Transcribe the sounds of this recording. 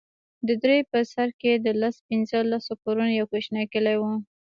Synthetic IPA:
d̪əd̪ɾepəsaɾked̪əlaspɪnzəlasokoɾunjawkeʃnakəlajwu

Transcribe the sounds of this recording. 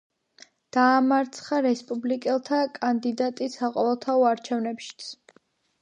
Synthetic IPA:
d̪̥aːmaɾt̪sʰχaɾɛspʼublikʼɛlˠt̪ʰakʼand̪id̪at̪ʼisaqʼɔvɛlˠt̪ʰaɔaɾt͡ʃʰɛvnɛpʃi̥t̪sʰ

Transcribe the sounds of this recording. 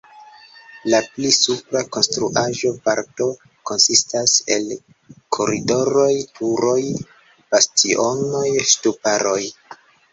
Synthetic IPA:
laplisupɾako̞nstɾuʔaʒo̞vaɾto̞ | ko̞nsistase̞̰l | kʰo̞ɾido̞ɾo̞jtʰuɾo̞j | b̥astio̞no̞jstupaɾo̞j

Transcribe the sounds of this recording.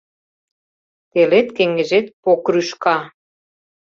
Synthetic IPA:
t̪elet̪keŋɡĕʒet̪̚pokryʃkɑ

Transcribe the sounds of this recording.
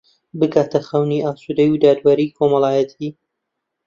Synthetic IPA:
bɨkaːt̪ʰɐxɐwniʔaːsud̪ɐjud̪aːd̪waɾiːkʰomɐlˠaːjɐt̪ʰiː

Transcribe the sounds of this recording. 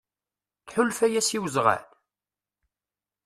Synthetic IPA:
θħʊlfæjæsiwəzˤʁæ̰l

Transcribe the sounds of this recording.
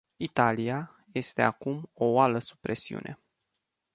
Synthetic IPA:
it̪alija | je̞st̪e̞akumo̞oaləsu̥pɾe̞siṵnʔe̞

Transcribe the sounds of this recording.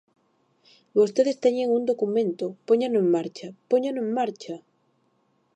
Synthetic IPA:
bost̪eðest̪eɲeŋund̪okumẽnt̪opoɲanoeŋmaɾt͡ʃapoɲanoẽŋmaɾt͡ʃa

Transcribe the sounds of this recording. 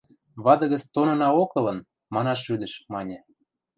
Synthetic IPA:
βɑd̪ɤ̆ɣə̆t͡st̪onɤ̆nɑokɤ̆lɤ̆n | mɑnɑʃːyd̪ə̆ʃmɑnʲĕ

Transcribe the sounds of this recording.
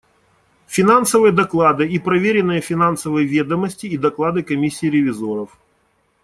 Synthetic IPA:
fʲɪnansəvɨjəd̪ɐklˠad̪ɨipɾɐvʲeɾʲɪnːɨjəfʲɪnansəvəjvʲed̪əmːəsʲtʲɪːd̪ɐklˠad̪ɨkɐmʲisʲːɪːɾʲɪvʲɪzoɾəf

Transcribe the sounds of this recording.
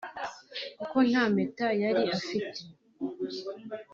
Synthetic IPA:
kuko̞n̥haːmetajaɾiafite

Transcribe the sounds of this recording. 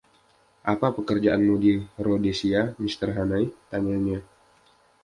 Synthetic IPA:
ʔapapəkərd͡ʒaʔanmudiɾodesiamist̪ərɦanajt̪aɲaɲa

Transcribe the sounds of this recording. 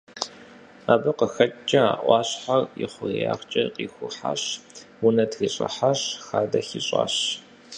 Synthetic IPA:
aːbɨqəxɐt͡ʃʼt͡ʃʼːɐaːʔʷɑːɕħarjɪχʷʊja̰ːχt͡ʃʼɐqʼiːxʷʊħa̰ɕwʊnɐtʰɣiɕʼɐ̰ħaɕxaːdɐxiɕʼa̰ːɕ

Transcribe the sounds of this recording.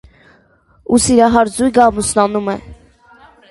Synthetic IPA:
usiɾɑɦɑɾd͡zujɡɑmusnɑnumɛ

